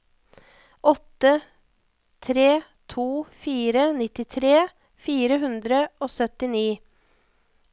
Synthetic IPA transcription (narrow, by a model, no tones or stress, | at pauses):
ʔɔt̪ə | t̪ʰɾeː | t̪ʰuːfiːɾənɪt̪ɪt̪ʰɾeː | fiːɾəɦʉnd̪ɾəʔoːsœt̪ɪniː